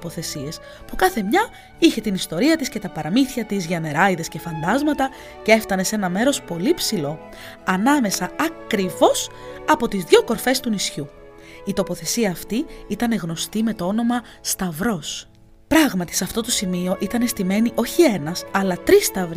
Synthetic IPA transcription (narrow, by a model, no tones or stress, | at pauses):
poθe̞sie̞s | pukɐθe̞mɲɐ | içe̞t̪inist̪o̞ɾiɐt̪isce̞t̪ɐpɐɾɐmiθçɐt̪izʝɐne̞ɾɐiðe̞sce̞fɐnd̪ɐzmɐt̪ɐ | ce̞ft̪ɐne̞se̞nɐme̞ɾo̞spo̞lipsilo̞ | ɐnɐme̞sɐɐkɾivo̞sɐpo̞t̪izðʝo̞ko̞ɾfe̞st̪unisçuː | t̪o̞po̞θe̞siɐːft̪iit̪ɐne̞ɣno̞st̪ime̞t̪o̞o̞no̞mɐ | st̪ɐvɾo̞s | pɾɐɣmɐt̪i̥sɐft̪o̞t̪o̞simio̞ʔit̪ɐne̞st̪ime̞niʔo̞çie̞nɐsɐlɐt̪ɾist̪ɐvɾ